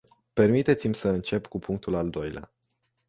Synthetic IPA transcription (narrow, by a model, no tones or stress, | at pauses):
pe̞rmit̪e̞t̪simʲsəɨnt͡ʃe̞pkupʰuŋk̚t̪ulald̪o̞jlea̰